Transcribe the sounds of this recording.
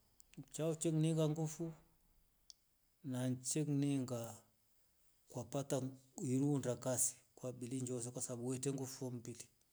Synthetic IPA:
t͡ʃawt͡ʃekniŋɡaŋɡufu | nant͡ʃekniŋɡa | kwapataiɾundakasi̥kwabiliɲd͡ʒos̬ekʷwasabweteŋɡufombili

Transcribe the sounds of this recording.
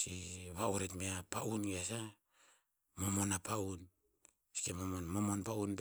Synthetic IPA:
siβauɾetmeapaʔunβiasa | mo̞mo̞napaun | si̥kemomonmo̞mo̞npaunp

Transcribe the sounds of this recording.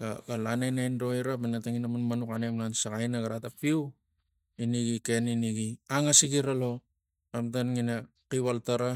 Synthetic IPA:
ɡaɡalanajnajndo̞iɾapanataŋinamanmanukanemlansaɡajnaɡaɾatapiu | iniɡike̞niniɡiaŋasiɡiɾalo̞ | amtanŋina | kiβaltaɾa

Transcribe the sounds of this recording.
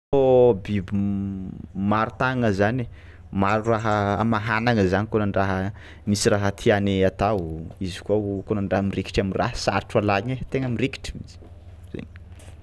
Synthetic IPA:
obibi | maɾut̪aŋəzane | maɾuraɦəamaɦanaŋəzanikonaɳɖ͡ʐaɦə | misiɾaɦət̪ʰianeat̪awizi̥kuakonaɳɖ͡ʐaɦəmireki̥ʈ͡ʂamirʔa̰ɦsaɾʈ͡ʂalaɲet̪eŋəmireki̥ʈ͡ʂimit͡si̥ | z̥ḛn

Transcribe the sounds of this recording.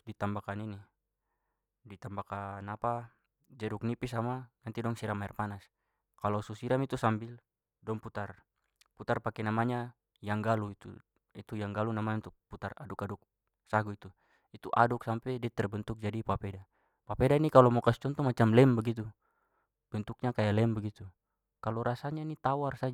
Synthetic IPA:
dit̪ambakanini | dit̪ambakanapa | d͡ʒɛɾuk̚nipis̬amanant̪idɔŋsiɾamːaɛrpanas | kalɔsusiɾamit̪usambil | dɔŋput̪ar | put̪arpakɛnamaɲa | jaŋɡaluit̪ṵ | it̪ujaŋɡalunamaɲant̪uput̪aradukaduk̚ | saɡuit̪u | it̪uʔa̰duksampɛdiat̪ɛrbɛnt̪uk̚d͡ʒadipapɛda | papɛdainikalɔmɔkast͡ʃɔnt̪ɔmat͡ʃamlɛmbɛɡit̪̬u | b̥ɛnt̪uk̚ɲakajalɛmbɛɡit̪u | kalɔɾasaɲanit̪awarsad͡ʒ

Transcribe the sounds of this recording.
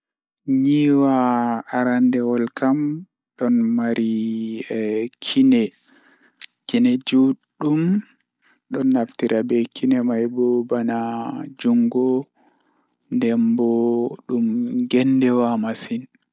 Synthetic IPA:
ɲiwaːaɾandɛwɔlkam | ɗɔnmaɾi | kʰinɛ | kinɛd͡ʒuɗːum | ɗɔnːaftiɾʔabɛkʰinɛmajbɔbanad͡ʒuŋɡɔ | ndɛmbɔɗumɡɛndɛwamasin

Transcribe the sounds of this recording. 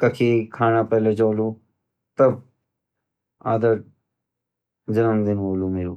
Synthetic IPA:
kɐkʰikʰaːnaːpɛːled͡ʒoːluː | t̪ɐb | aːd̪ə | d͡ʒɐnəmd̪ɪnɦoːluːmeːɾuː

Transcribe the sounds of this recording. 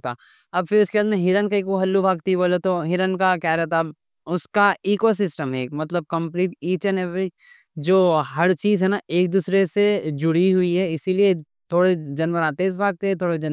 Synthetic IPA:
t̪a | ɐbfɪɾʊskeaːd̪mẽɦɪɾənkaekoɦɐlːubʱaːɡ̚t̪iboːlet̪oɦɪɾənkakjaːɾɛɦt̪ab | ʊskaiːkos̬ɪsʈəmɦeːkmɐt̪ləb̚kɐ̃mpniːʈiːt͡ʃənɦɛb | d͡ʒoːɦɐɾt͡ʃiːzɦɛnaʔeːk̚d̪uːsɾesed͡ʒʊɽiɦʊiɦɛɪsilie | t̪ʰoːɽed͡ʒɐnbəɾaːt̪eːsbʱaːɡ̚t̪eɛ̃t̪ʰoːɽed͡ʒɐn

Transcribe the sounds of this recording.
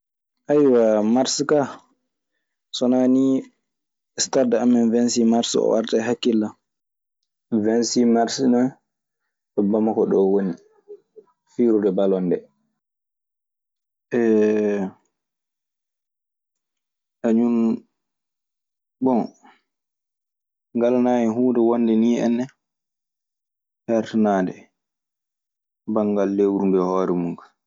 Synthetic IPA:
ʔajwamaɾska | sɔnani | stadamɛnvɛnsimaɾsɔ̰wa̰ɾtaɦakːilːa | vɛnsimaɾsina | ɗɔbamakɔɗɔwoni | fiɾudɛbalɔndɛ | ʔɛ | ʔaɲun | bɔn | ŋɡalnaːjɛɦuːdɛwɔnːdɛniɛ̰nːɛ | hɛɾtnaːdɛ | baŋɡalːewɾundɛhɔːɾɛmuŋka

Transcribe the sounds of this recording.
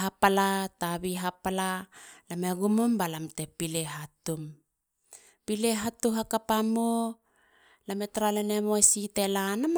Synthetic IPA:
apalataβiɦapalalameɡumumbalamte̞pile̞ɦatum | pile̞ɦatuɦakapamo | lame̞taɾalene̞mosite̞lanam

